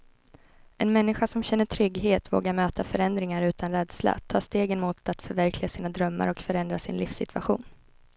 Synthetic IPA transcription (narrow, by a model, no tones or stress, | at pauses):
ɛnmɛnːɪɧasɔmɕɛnːəʈʰɾʏɡɦeːt̪vo̰ːɡaɾmøːt̪ʰafœɾɛnd̪ɾɪŋaɾʉ̟ːt̪ʰanɾɛːd̪sla̰t̪ʰɑːst̪eːɡənmʊt̪at̪fœɾvæɾklɪɡasiːnad̪ɾœmːa̰ɾɔkfœɾɛnd̪ɾasɪ̰nlʔḭfsɪt̪ʰvaɧṵːn